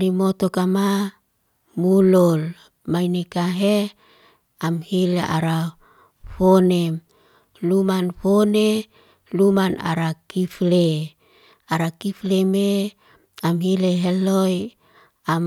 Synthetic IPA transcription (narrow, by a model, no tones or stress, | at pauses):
limot̪okama | mulol | majnekaɦe | amhileʔaɾa | fonem | lumanfone | lumana̰ɾakifle | aɾakifleme | amɦileɦeloj | am